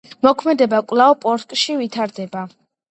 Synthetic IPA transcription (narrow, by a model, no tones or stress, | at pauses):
mɔkʰmɛd̪ɛbakʼwlˠavpʼɔɾkʼʃivit̪ʰaɾd̪ɛba